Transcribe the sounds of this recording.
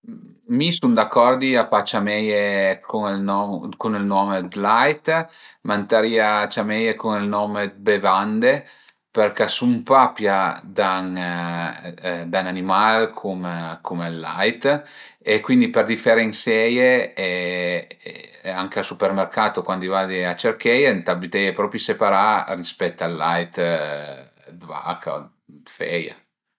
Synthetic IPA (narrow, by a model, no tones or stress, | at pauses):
misund̪akːɔrd̪iapat͡ʃamɛjekʰunlnɔkunilnɔːmed̪lajt̪mant̪aɾiat͡ʃamɛjekunilnɔːmebevand̪e | perkasumpapjad̪aŋ | d̪ananimalkʰumkʰumelːa̰jt̪ | ekːwind̪iperd̪ifɛɾeinsɛjeɛ | aŋkeasupermerkaːt̪okwand̪ivad̪iat͡ʃerkɛjent̪abit̪ɛjepɾɔpɾjisepaɾarispɛt̪ːalːajt̪ | d̪va̰kʰa̰ | d̪fɛja̰